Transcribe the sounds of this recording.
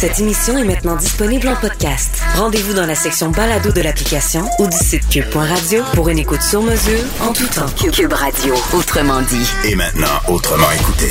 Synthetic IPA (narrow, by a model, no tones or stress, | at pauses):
sɛt̪emisjɔ̃ɛmɛ̃t̪nɑ̃d̪ispɔniblɑ̃pɔd̪kʲast̪ʁɑ̃d̪evud̪ɑ̃lasɛksjɔ̃balad̪od̪əlaplikʲasjɔ̃ud̪ysit̪̚kʲyb̚pwɛ̃ʁad̪d͡zjopuʁynekut̪syʁməzyːʁʁɑ̃t̪ut̪ɑ̃kykʲybʁad̪joot̪χəmɑ̃d̪iʒemɛ̰̃t̪nɑ̰̃ot̪χəmɑ̃ekut̪ḛ